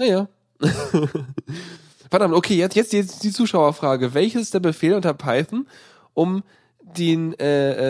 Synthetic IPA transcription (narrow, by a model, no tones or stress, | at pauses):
jajaː | fɛɐdamtʔokʰeːjɛt͡sjɛt͡sd̥id̥iːt͡suːʃaʊɐfʁ̥aːɡəvɛlçəsɪstd̥eːɐbəfeːlʔʊntɐpʰaɪθn̩ | ʔʊm | d̥eːnʔɛːʔɛ